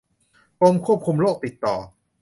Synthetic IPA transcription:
po˧mkʰu˥˩əp̚kʰu˧mloː˥˩k̚t̪i˨˩t̪ːɔː˨˩

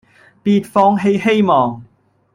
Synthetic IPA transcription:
piː˧t̚fɔː˥ŋɦe˧jhe˥jmɔː˨ŋ

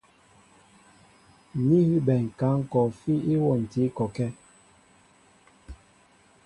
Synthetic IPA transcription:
ni˦hi˦bɛ˨ŋ̩˨ka˨˦ŋ̩˦kɔ˨fi˦i˦wɔ˦˨n̩˨ti˨˦kɔ˨kɛ˦

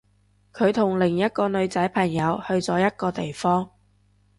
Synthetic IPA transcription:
kʰɵ˨˧ɥt̪ʰʊ˨˩ŋlɪ˨˩ŋjɐ˥t̚kɔː˧nɵ˨˧ɥt͡sɐ˨˥jpʰɐ˨˩ŋjɐ˨˧whɵ˧ɥt͡sɔː˨˥jɐ˥t̚kɔː˧t̪e˨jfɔː˥ŋ

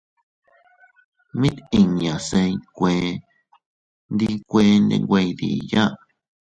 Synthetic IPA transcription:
mĩ˦t̪i˨ɲã˨sẽ˧˦kʷẽ˨ | nd̪i˧kʷe˧˦ndḛ̃˧ŋɡʷe˧jd̪ḭ˨jã˦ʔ

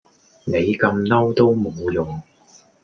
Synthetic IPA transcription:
ne˨˧jkɐ˧mnɐ˥wt̪o˥wmo˨˧wjʊ˨˩ŋ

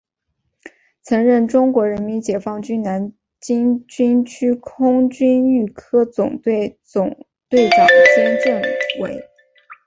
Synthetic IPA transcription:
t͡sʰɤ˧˥ŋɻə˥˩nʈ͡ʂʊ˥ŋkwɔ˧˥ɻə˧˥nmi˧˥nt͡ɕjɛ˨˩fɑ˥˩ŋt͡ɕy˥nna˧˥n | t͡ɕi˥nt͡ɕy˥nt͡ɕʰy˥kʰʊ˥ŋt͡ɕy˥ny˥˩kʰɤ˥t͡sʊ˨˩ŋ˥˩t͡sʊ˨˩ŋ | t̪we˥˩ɪʈ͡ʂɑ˨˩ŋɕjɛ˥nʈ͡ʂɤ˥˩ŋwḛ˧˥ɪ

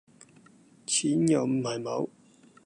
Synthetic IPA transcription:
t͡sʰiː˨˥njɐ˨˩wm̩˨˩hɐ˨˩jmɐ̰˨˧˥w

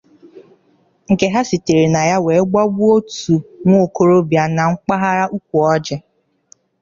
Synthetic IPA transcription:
ŋ̩˨ke˦ɦa˦si˨te˨ɾe˨na˨ja˦we˨˦ɡ͡ba˦ɡ͡bu˦o˦tu˨ŋʷo˦˨ko˨ɾo˦bja˨na˨ŋ͡m̩˦k͡pa˦ɦa˦ɾa˦ʔu˦kʷu˨ɔ˦d͡ʒɪ˦

